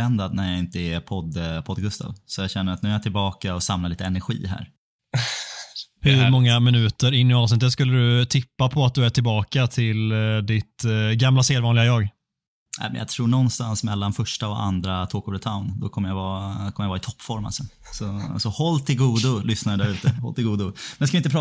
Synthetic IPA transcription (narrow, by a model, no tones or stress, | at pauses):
ɛnd̪ad̪næɾjaɪnt̪əɛpʰɔd̪pʰɔd̪ɡɵst̪ʰa̰ːvsɔjaɕɛnːəɾat̪nʉːæjat̪ʰɪlbɑːkaɔsamlaliːt̪əɛnæɾɧḭːɦæ̰ɾ | hɵɾmɔŋːamɪnʉ̟ːt̪əɾɪnːɪɑːvsnɪt̪̬ːət̪skɵlːəd̪ɵt̪ʰɪpːapʰɔat̪̚d̪ɵæʈʰɪlbɑːkat̪ʰɪld̪ɪt̪ɡamlaseːd̪vɑːnlɪɡajɑːɡ | ʔæ̰ɪmɛnja̰ɡ̚t̪ʰɾuːɳɔnːst̪ansmɛlːanfœʂʈaɔa̰nd̪ɾat̪ʰoːkʊɖət̪ʰaʊnd̪ɔkʰɔmːəjavɑːkʰɔməjavɑːɪt̪ʰɔpːfɔɾma̰lsɔ | sɔsɔhɔlːt̪ʰɪlɡuːd̪ʊlʏsnaɾəd̪æɾʉ̟ːt̪əhɔ̰lt̪ɪlɡuːd̪ʊmɛnjaskavɪnt̪əpʰɾ